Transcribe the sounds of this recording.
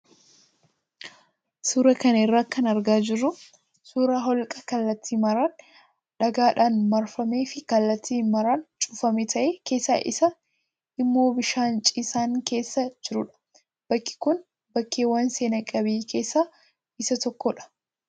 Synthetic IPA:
suːɾɐkɐnɪrːaːkɐnɐɾɡaːd͡ʒɪrːʊ | suːɾaɦɔlkʼɐkɐlːɐt̪ʰːiːmɐɾaːn | ᶑɐɡaːᶑaːnmɐɾfɐme̞ːfɪkɐlːɐt̪ːiːnmɐɾaːnt͡ʃʼʊːfɐmeːt̪ʰɐʔeːke̞ːsːa̰ːʔɪ̰sɐ | ɪmːo̞ːbɪʃaːnt͡ʃʼiːsaːŋke̞ːsːɐd͡ʒɪɾʊᶑɐ̥ | b̥ɐkːɪ̥kʊn | bɐkːeːwɐnse̞ːnɐkʼɐbiːkʰe̞ːsːaː | ɪsɐt̪ɔkːɔᶑɐ̥

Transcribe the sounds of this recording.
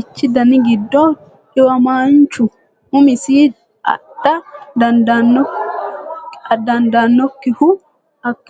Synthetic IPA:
ɪt͡ʃːɪd̪ɐnɪɡɪd̪ːoː | ᶑɪwɐmaːnt͡ʃʊ | ʊmɪsiː | ɐ̰ɗɐd̪ɐnd̪anɔ | d̪ɐnd̪anːɔkːɪhʊ | ɐkː

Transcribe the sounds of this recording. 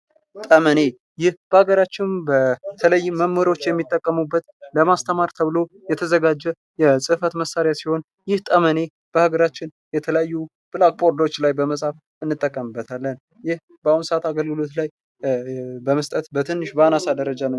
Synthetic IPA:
t̪ʼəməne̞ | jɪhb̥əhaɡəɾat͡ʃːɪnbət̪ʰələjːuməmːəɾo̞t͡ʃːjɛmːit̪ʼːəkʼːəmubːət̪ləmast̪ʰəmaɾt̪ʰəβɨlo̞ | jɛt̪ʰəzəɡad͡ʒːɛ | jɛsʼɨfət̪məsːaɾejasiho̞n | jɪht̪ʼəməne̞ | b̥əhaɡəɾat͡ʃːɪn | jɛt̪ʰələjajːu | b̥ɨlak̚pʼo̞ɾd̪o̞t͡ʃːlajbəməsʼaf | ɨnːɨt̪ʼːəkʼːəmɨbːət̪ʰalːən | jɪh | bəaunsat̪aɡəlɡɨlo̞t̪laj | bəməst̪ʼət̪bət̪ʰɨnːɨʃbəanasad̪əɾəd͡ʒan

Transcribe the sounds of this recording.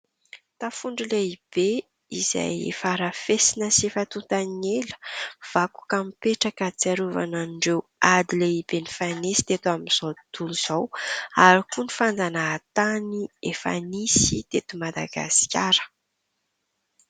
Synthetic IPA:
t̪afuɳɖ͡ʐileib̥e | iza̰jḛfaɾafesinəsefat̪ut̪anelə̥v̥aku̥kamipeʈ͡ʂakət͡siaɾuva̰naɖ͡ʐewad̪ileib̥enifanisi̥t̪et̪uamiz̥ot̪uluz̥owaɾikunifand͡zanaːt̪aniefa̰nisit̪et̪umad̪a̰ɡa̰si̥kʲaɾə̥

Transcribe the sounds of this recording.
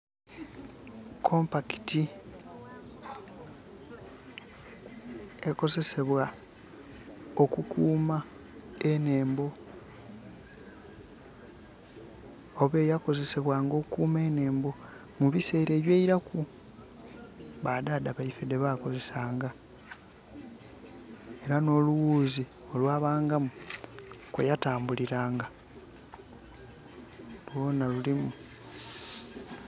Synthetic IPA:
kʰo̞mpaki̥ti | e̞ko̞ze̞se̞βwa | okukʰuːma | ene̞ːmbo̞ | βe̞ːjako̞ze̞se̞βwaːŋɡo̞kuːme̞ːne̞ːmbo̞ | muβise̞ːɾe̞ːβjeːiɾaku | βadadaβaifede̞βako̞ze̞saːŋɡa | e̞ɾano̞luwuːzi | o̞lwaːβaːŋɡamu | kwejataːmbuliɾaːŋɡa | lwo̞ːnalulimu

